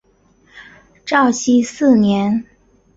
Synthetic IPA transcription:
ʈ͡ʂɑ˥˩ʊɕi˥sɹ̩˥˩njɛ˧˥n

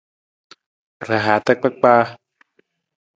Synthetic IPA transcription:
ɾa˨˧ɦaː˨˦t̪a˦˧k̚k͡pa˦˧k̚k͡paː˧

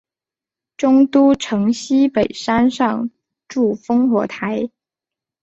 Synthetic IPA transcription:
ʈ͡ʂʊ˥ŋt̪u˥ʈ͡ʂʰɤ˧˥ŋɕi˥pe˨˩ɪʂa˥nʂɑ˥˧ŋ | ʈ͡ʂu˥˩fɤ˥ŋxwɔ˧˥t̪ʰa˧˥ɪ

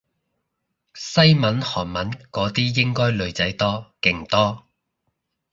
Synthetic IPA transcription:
sɐ˥jmɐ˨˥nhɔː˨˩nmɐ˨˥nkɔː˨˥t̪iː˥jɪ˥ŋkɔː˥jlɵ˨˧ɥt͡sɐ˨˥jt̪ɔː˥kɪ˨˧ŋt̪ɔː˥

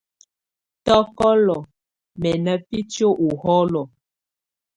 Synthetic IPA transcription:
tɔ˦kɔ˦lɔ˨ | mɛ˨nə˨pi˦t͡ʃjo˦ʔu˨hɔ˦lɔ˨

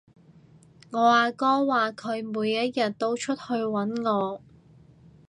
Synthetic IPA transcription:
ŋɔː˨˧aː˨˧kɔː˥waː˨kʰɵ˨˧ɥmuː˨˧jːɐ˥t̚jɐ˨t̚t̪o˥wt͡ʃʰɵ˥t̚hɵ˧ɥwɐ˨˥nŋɔː˨˧

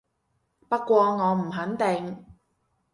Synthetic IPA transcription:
pɐ˥t̚kʷɔː˧ŋɔː˨˧m̩˨˩ɦɐ˨˥nt̪ɪ˨ŋ

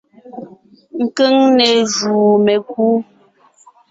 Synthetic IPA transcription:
ŋ̩˨kə˦ŋnɛ˨ʒuː˨mɛ˨kuː˦

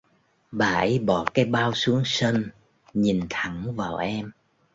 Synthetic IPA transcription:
ɓaː˨˩ʔə˨˦jɓɔ˧˩kaː˨˦jɓaː˧wsu˨˦əŋsə˧n | ɲi˨˩nt̪ʰa˨˧˩ŋvaː˨˩wʔɛ˧m

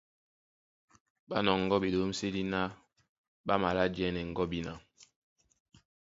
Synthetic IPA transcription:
ba˦nɔ˨ŋ̩˨ɡɔ˦bi˨lo˨˦m̩˦se˦li˦na˦ | ɓa˦ma˨la˦d͡ʒɛ˦nɛ˨ŋ̩˨ɡɔ˦bi˦na̰˨

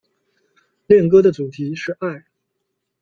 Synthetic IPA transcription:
ljɛ˥˩nk̬ɤ˥d̪ə˨t͡su˨˩t̪ʰi˧˥ʂɻ̩˥˧a˥˩ɪ

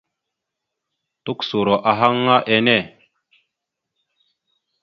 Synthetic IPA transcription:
tu˦ksu˨ɾo˨ʔa˨ɦa˦ŋːa˦ʔe˨ne˦˨

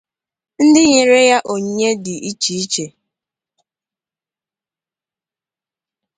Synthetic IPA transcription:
n̩˦dɪ˦ɲe˨ɾe˦ja˦ʔo˨ɲ˦ɲe˦dɪ˨ʔi˦t͡ʃi˨i˦t͡ʃe˨

